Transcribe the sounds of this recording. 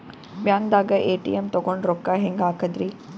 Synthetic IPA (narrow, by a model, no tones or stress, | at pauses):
ɓjãːŋd̪aːɡəʔeːʈḭemt̪oɡoɳɾokːaɦẽŋɡaːkəd̪ɾiː